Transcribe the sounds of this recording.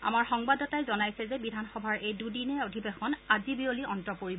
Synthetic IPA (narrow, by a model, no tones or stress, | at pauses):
a̰maɹxɔŋbadɔtajzɔnajsɛzɛbidʱanxɔbʱaɹejdudinɛodʱibexɔnazibioliʔɔntɹɔkoɹib